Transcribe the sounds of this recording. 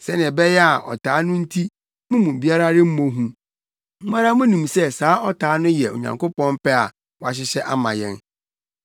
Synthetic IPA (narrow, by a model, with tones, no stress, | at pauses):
sɛ˦nɪ̃˨bɛ˦jɛ˦a˨ʔɔ̰˨tʰaː˨˦nʊ̃˦n̩˦tʰi˦ | mʊ̃˦mũ˨bi˦a˦ɾa˦ɾɪ˦m̩˦mõ˦ɦũ˦ | m̩˦mã˦ɾa˦mʊ̃˦nũ˨msɛ˦saː˦ʔɔ˦tʰaː˨˦nʊ̃˦jɛ˨o̰˨ɲã̰˨ŋko˦pɔ̃˦nm̩˦pɛ˦a̰˨ | wa˨ɕ̬ɪ˦ɕɛ˦ʔa˦mã̰˨jɛ̃˦n